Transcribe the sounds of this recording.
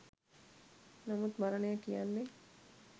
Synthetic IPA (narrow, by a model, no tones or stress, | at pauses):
nɐmut̪mɐɾɐnejɐkijanːe